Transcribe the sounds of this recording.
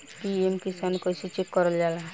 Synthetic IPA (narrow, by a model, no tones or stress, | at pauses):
piemkisankəsit͡ʃekːɔɾəld͡ʒala